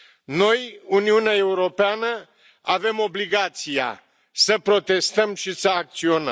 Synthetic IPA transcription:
no̞juniuneae̞uɾo̞peanə | ave̞mo̞bliɡat̪sia̰ | səpɾo̞t̪e̞st̪əmʃisəak̚t̪sio̞nə̰m

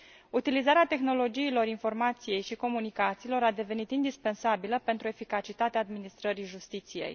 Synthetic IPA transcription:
ut̪ilizaɾeat̪e̞xno̞lo̞d͡ʒiːlo̞ɾinfo̞rmat̪sije̞jʃiko̞munikat̪siːlo̞ɾad̪e̞ve̞nit̪ind̪ispe̞nsabiləpe̞nt̪ɾue̞fikat͡ʃit̪at̪eaːd̪minist̪ɾəɾiʒust̪it̪sijḛj

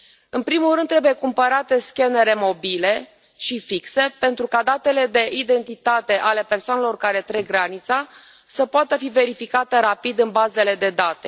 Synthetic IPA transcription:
ɨnpɾimulɾɨnd̪t̪ːɾe̞buje̞kumpəɾat̪e̞skʲe̞ne̞ɾe̞mo̞bile̞ | ʃifikse̞pe̞nt̪ɾukad̪at̪e̞le̞d̪e̞ʔid̪e̞nt̪it̪at̪e̞ʔale̞pe̞rsoanelo̞rkaɾe̞t̪ɾeɡɾanit̪sa | səpoat̪əfive̞ɾifikat̪eɾapid̪ɨnbaze̞le̞d̪e̞d̪at̪e̞

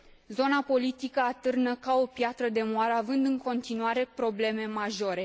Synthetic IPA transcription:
zo̞napo̞lit̪ikəat̪ɨrnəkao̞pjat̪ɾəd̪e̞moaɾəavɨnd̪ɨŋko̞nt̪inuaɾe̞pɾo̞ble̞me̞maʒo̞ɾe̞

